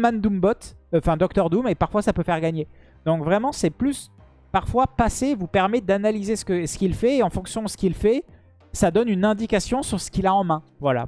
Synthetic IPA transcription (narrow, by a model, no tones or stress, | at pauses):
mɛ̃nd̪umbɔt̪ɑ̃fɛ̃d̪ɔk̚t̪œʁd̪umepaʁfwasapøfɛʁɡaɲe | d̪ɔ̃kvʁɛmɑ̃sɛplys | paʁfwapasevupɛʁmɛd̪analizesə̥kəsə̥kilfɛːɑ̃fɔ̃ksjɔ̃d̪əsə̥kilfɛ | sad̪ɔnynɛ̃d̪ikasjɔ̃syʁsə̥kʲilaɑ̃mɛ̃vwala̰